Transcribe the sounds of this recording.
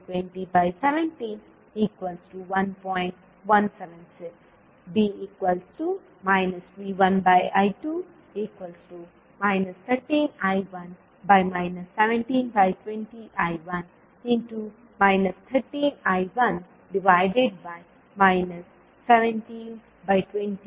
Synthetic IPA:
ʈwɛ̃ɳʈibajsɛʋɛ̃nʈĩn | iːkwəlsʈuʋɐ̃npɔ̃j̃ɳʈ | ʋɐ̃nsɛʋɛ̃nsɪks | biiːkwəlsʈu | maɪnəsʋiʋɐ̃nbajajʈu | iːkwəlsʈu | maɪnəst̪ʰəɾʈĩnajʋɐ̃n | bajmaɪnəsːɛʋɛ̃nʈĩːnbaɪʈwɛ̃ɳʈiʔajʋʌ̃n | ĩnʈu | maɪnəst̪ʰəɾʈĩːnaɪʋʌ̃n | ɖiʋaɪɖeɖ̚baɪ | maɪnəsː | ɛʋɛ̃nʈĩn | baɪʈwɛ̃nʈi

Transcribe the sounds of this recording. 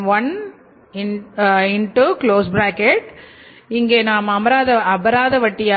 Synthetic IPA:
ʋɐn | ɪnɪɳʈukloːsbɾaːkɛʈ | ɪŋɡeːnaːmɐmɐɾaːðɐɐbɐɾaːðɐʋɐʈːɪjaː

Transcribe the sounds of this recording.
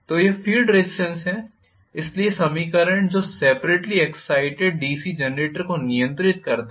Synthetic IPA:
t̪oːjefiːlɖɾesɪsə̃nsɦɛ | ɪsliesɐmikəɾə̃ɳʈd͡ʒoːseːpɾeːʈliɛksaːɪʈeɖ̚ɖiːsid͡ʒɛnɾeːʈəɾkonɪjə̃nt̪ɾɪt̪̚kɐɾt̪

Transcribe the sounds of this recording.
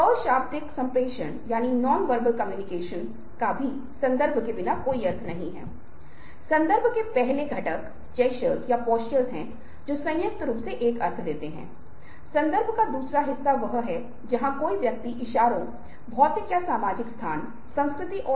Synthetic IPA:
ɔːʃaːpt̪ɪksɐ̃mpɾeːʃənjaːninɔːnʋəɾbəlkɐmjuːnɪkeːʃən | kabʱi | sɐ̃nd̪əɾbʱkebɪnakoːiɐɾt̪ʰnɐɦĩɦɛ̰̃ː | sɐ̃nd̪əɾbʱkepɛɦleɡʱɐʈək | t͡ʃɛːʃəlzjapɔːsʈəlzɦɛ̃ | d͡ʒoːsɐ̃jjək̚t̪ɾuːpseʔeːkɐɾt̪ʰd̪eːt̪eɦɛ̰̃ː | sɐ̃nd̪əɾbʱkad̪uːsɾaɦɪsːaʋɐɦɦɛ | d͡ʒɐɦãkoːiʋjɐk̚t̪iʔɪʃaːɾõ | bʱɔːt̪ɪkjasaːmaːd͡ʒɪkst̪ʰaːn | sɐ̃ñskɾɪt̪iʔɔː

